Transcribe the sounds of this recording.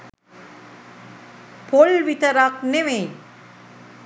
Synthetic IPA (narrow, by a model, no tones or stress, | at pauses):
polʋit̪ɐɾakneʋej